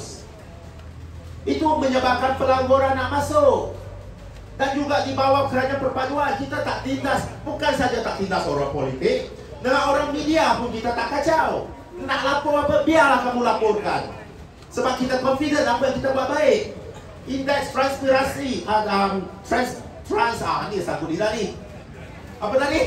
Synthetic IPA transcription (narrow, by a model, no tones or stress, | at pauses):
ʔit̪uməɲəbap̚kanpəlaŋɡoɾanːaʔmasʊʔ | dand͡ʒuɡaʔdibawakəɾanapərpaduankit̪at̪aʔt̪indasbukansad͡ʒat̪aʔt̪ind̪asoɾapolit̪ɪk̚ | dəŋanoɾaŋmidiapʊnkit̪at̪aʔkat͡ʃaw | ənaʔlapʊɾapəbialahkamulapʊrka̰n | səbap̚kit̪akɔnfidənapəjaŋkit̪abaʔbaɪʔ̚ | indɛksfɾanspiɾasiaəmt̪ɾans | fɾansa̰anisaŋkʊt̪̚dilani | ʔapəlaɡi